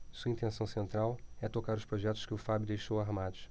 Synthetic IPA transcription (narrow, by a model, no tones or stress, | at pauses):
suɐĩnt̪ẽsɐ̃w̃sẽnt̪ɾawɛt̪okaɾʊʃpɾoʒɛt̪ʊ̥ʃkɪʊfabʊd̪ejʃowaɦmad̪ʊʃ